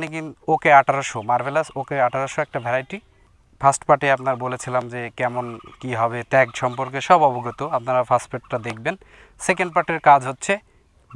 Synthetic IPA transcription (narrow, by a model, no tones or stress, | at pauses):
nikinokeaʈʰaɾoʃomaɾbʱelasokeaʈʰaɾoʃoɛk̚ʈabʱɛɾajʈi | fʰasʈpaʈeapnaɾbolet͡ɕʰilamd͡ʑekɛmonkiɦɔbeʈɛkʃɔmpoɾk̬eʃɔbɔboɡɾot̪oap̚naɾapʰasʈpeʈːad̪ek̚ʰben | sekeɳɖpaɾʈeɾkad͡ʑʱɦotːɕʰe